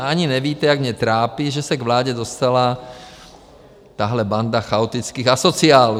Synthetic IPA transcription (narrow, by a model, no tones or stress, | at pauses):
aɲinɛʋiːt̪ɛaɡmɲɛt̪ɾaːpiʒɛsaɡʋlaːɟɛd̪ɔst̪ala | t̪aːɦlɛband̪axaɔt̪it͡skiːɣasɔt͡sɪaːl